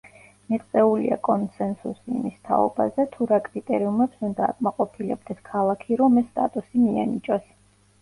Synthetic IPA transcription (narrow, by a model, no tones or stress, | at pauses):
miqʼt̪sʼɛulḭa̰kʼɔnsɛnsṵsḭːmist̪ʰa̰ɔ̰bazɛt̪ʰuɾakʼɾit̪ʼɛɾiumɛpsund̪a̰ːkʼmaqʼɔpʰilɛb̚d̪ɛskʰalˠakʰiɾɔmɛst̪ʼa̰t̪ʼusimia̰nit͡ʃʼɔs